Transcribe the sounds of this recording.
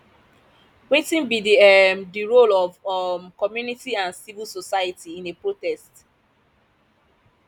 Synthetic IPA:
wetĩnbidiɛdiɹolɔvkɔmjunitiãnsivilsosajatiĩnepɹotɛst

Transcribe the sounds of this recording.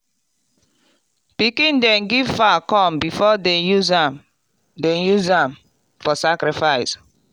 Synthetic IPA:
pikĩndɛ̃nɡivfakɔ̃mbifɔdɛjuzam | dɛ̃njuzãm | fɔsakɾifaɪs

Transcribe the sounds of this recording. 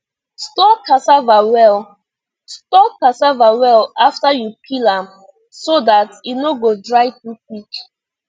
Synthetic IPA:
stɔkasavawɛl | stɔkasavawɛlaftajukʰilãm | sodatinoɡodɹaɪtup̚it͡ʃ

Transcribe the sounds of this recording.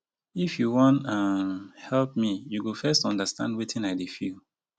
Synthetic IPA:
ifjuwɔ̃ntamhɛlp̚mijuwulfɛstɔ̃ndəstãndwitɪ̃naɪdefilˠ

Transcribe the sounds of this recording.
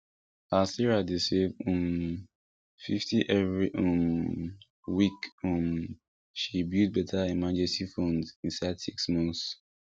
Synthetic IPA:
asiɹadesevɔ̃m | fiftiʔɛvɹiʔɔ̃m | wikɔ̃m | ʃibjud̚bɛtʰaɛmad͡ʒɛsifõndĩnsaɪdsiksmɔ̃ns

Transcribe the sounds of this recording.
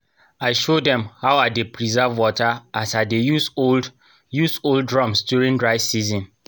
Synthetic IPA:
aɪʃodɛ̃mhaʊadepɹizavwɔtaasadeju | jusoldɹɔ̃msdjuɹĩndɹaɪ̥sizɔ̃n

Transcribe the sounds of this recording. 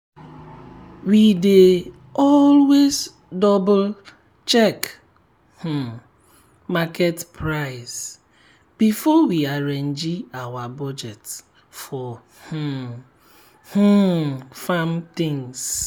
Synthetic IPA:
wide | ɔlwez | dɔbʊl | t͡ʃɛk | h̩ | maketpʰɾaɪs | b̥ifɔwiaɾend͡ʒiawabɔd͡ʒet | fɔ | h | h̩famt̪ɪ̃ŋs

